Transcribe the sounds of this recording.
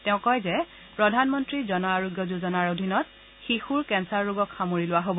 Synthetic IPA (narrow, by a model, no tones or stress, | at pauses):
tɛʊ̃kɔjzɛ | pɹɔdʱanmɔntɹizɔnɔaɹoɡjɔzuzɔnaɹodʱinɔt | xixuɹkɛnsaɹːuɡɔkxamoɹilʊwaɦobɔ